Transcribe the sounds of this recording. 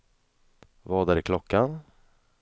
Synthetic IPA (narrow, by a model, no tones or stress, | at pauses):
vɑːd̪æɾɪkʰlɔkːan